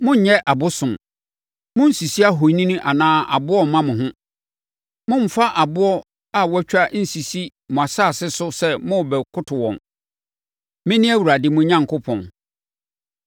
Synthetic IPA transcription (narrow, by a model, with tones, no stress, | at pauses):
mʊ̃˦ɲ̩˨˦ɲɛ˦ʔa˨bʊ˦sʊ̃˨m | mʊ̃˦n̩˦˨si˨si˦a˦ɦo˨˦nĩ˦nʊ̃˦ʔa˨nãː˦a̰˨bʊ˦ɔ˦˨mã˦mʊ̃˨ɦʊ̃˦ | mʊ̃˦m̩˨fa˦ʔa˨bʊ˦ɔ˦ | a˨wɔ˦t͡ɕᶣa˦n̩˨si˨si˦ | mʊ̃˨a˨saː˦˨sɪ˦sʊ˦sɛ˦mʊ̃˦˨bɛ˨kʰʊ˦tʰʊ˨wɔ̰̃˨n | mɪ̃˦nɪ̃˦æ˦wu˨ɾa˨dɪ˨mʊ̃˦ɲã˦ŋkʰʊ˦pʰɔ̰̃˨n